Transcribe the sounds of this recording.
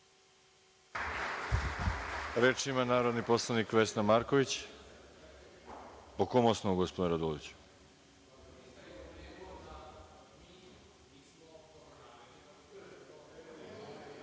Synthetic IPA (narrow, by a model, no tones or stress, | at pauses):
ɾeːt͡ʃimanaːɾo̞d̪niposlˠanikʋesnamaɾkoʋit͡ɕ | okomosnoɡospod̪enɾad̪oloʋit͡ɕu̥